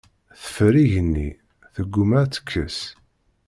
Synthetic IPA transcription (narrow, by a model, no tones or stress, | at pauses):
θə̥fɾiʝənːḭ | θəɡːumæt͡sːə̥kʰːəs